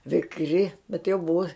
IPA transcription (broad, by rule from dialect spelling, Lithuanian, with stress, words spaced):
ʋʲɪkˈrʲɪ bʲɛt jɛʊ ˈbʊʋoː